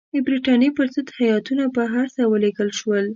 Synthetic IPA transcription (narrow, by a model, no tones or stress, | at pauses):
d̪əbɾiʈɑnjepəɾzəd̪hajɑt̪unabaɦaɾsawəleɡəlʃwəl